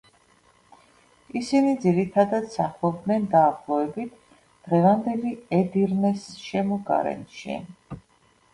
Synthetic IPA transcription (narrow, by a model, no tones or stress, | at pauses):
isinid̪ziɾit̪ʰad̪ad̪saχlˠɔb̚d̪nɛnd̪aːχlˠɔvɛbit̪ʰ | d̪̥ʁɛvand̪ɛliɛd̪iɾnɛsʃɛmɔɡa̰ɾɛ̰nʃḭ